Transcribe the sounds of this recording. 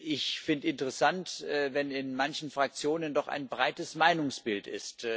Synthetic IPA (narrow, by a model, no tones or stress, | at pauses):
ʔɪçfɪndəɪntəʁəsantːvɛnɪnmançn̩fʁ̥ak̚t͡sjoːnəndɔχa̰ɪnbʁaɪtəsmaɪnʊŋsb̥ɪltɪ̰st